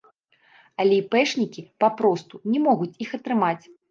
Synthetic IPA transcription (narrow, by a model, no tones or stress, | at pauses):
ɐlʲɛipɛʂnʲikʲipapɾɔst̪unʲɛmɔɣut͡sʲixɐt̪ɾɨmat͡sʲ